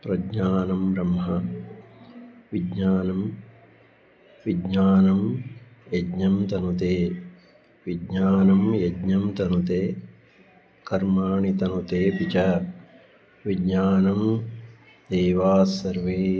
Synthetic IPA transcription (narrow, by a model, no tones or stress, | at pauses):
pɾɐɡɲaːnɐmbɾɐmɦɐ | ʋiɡɲaːnɐm | ʋiɡɲaːnɐmjɐdɲɐmt̪ɐnut̪eː | ʋiɡɲaːnɐmjɐdɲɐmt̪ɐnut̪eː | kɐɾmaːɳit̪ɐnut̪eːpit͡ʃɐ | ʋiɡɲaːnɐm | d̪eːʋaːsɐɾʋeː